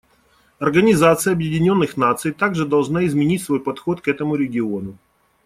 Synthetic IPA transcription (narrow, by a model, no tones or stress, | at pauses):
ɐrɡənʲɪzat̪sɨjəɐbjɪdʲɪnʲo̞nːɨxnat̪sɨjt̪aɡʐɨd̪ɐlˠʐnaɪzmʲɪnʲitʲsvo̞jpɐt̪xo̞t̪kɛt̪əmʊɾʲɪɡʲɪo̞nʊ